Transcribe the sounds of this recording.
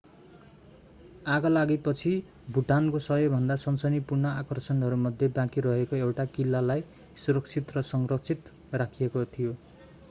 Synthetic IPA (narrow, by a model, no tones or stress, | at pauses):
aɡʌlaɡipʌt͡sʰi | bʱuʈankosʌɦʌbʱʌnd̪asʌnsʌnipurnʌakʌrsʌnɦʌɾumʌd̪ʱjebãkiɾʌɦekoewʈakilːalaj | suɾʌkt͡sʰit̪rʌsʌŋrʌk̚t͡sʰit̪ | rakʰijekot̪ʰijo